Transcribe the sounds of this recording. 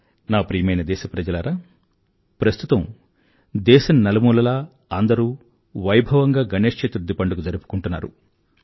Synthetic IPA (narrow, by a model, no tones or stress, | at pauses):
naːpɾiːjɐmɐjnɐd̪ɛːʃɐpɾɐd͡ʒɐlɐːɾaː | pɾɐst̪ut̪ɐm | d̪ɛːʃɐnnːɐlɐmuːlɐlaː | ɐnd̪ɐɾuː | ʋɐjbʱɐʋɐŋɡaːɡɐneːʂt͡ʃet̪ɾud̪ːipɐɳɖukud͡ʒɐɾupu̥kuɳʈunːa̰ːɾṵ